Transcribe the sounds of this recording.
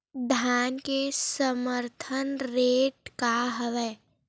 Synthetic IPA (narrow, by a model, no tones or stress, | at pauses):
d̪ʱjaːnkesəməɾt̪ʰənɾeːʈkaɦəʋɛː